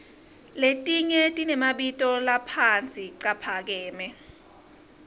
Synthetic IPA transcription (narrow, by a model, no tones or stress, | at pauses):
letʼiɲɛtʼinɛmaɓitʼɔlapʰant͡sʼiǀapʰak̬ɛːmɛ